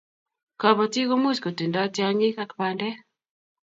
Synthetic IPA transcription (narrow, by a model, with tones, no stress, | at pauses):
ka˨βɔ˨ti˦ko˦mu˦t͡ʃko˨ti˨nda˦tja˦ŋi˦ka˦kpa˨ndɛ˦